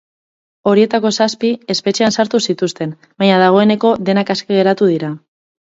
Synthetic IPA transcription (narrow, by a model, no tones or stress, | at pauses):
o̞ɾie̞t̪ako̞saspie̞spe̞t͡ʃeansaɾt̪usit̪ust̪e̞n | baɲaðaɣ̞o̞e̞ne̞ko̞ðe̞nakaskeɣ̞e̞ɾat̪uð̞iɾa